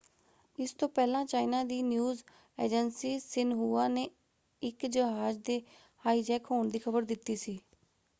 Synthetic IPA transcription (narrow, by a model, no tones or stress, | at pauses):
ɪst̪õːpɛːlãːt͡ʃaːinaːd̪iːnjuːz | eːd͡ʒənsiːsɪnɦuːaːneː | ɪkd͡ʒəɦaːd͡ʒd̪eː | haːiːd͡ʒɛːkɦoːnd̪iːkʰəbəɾd̪ɪt̪ːiːsiː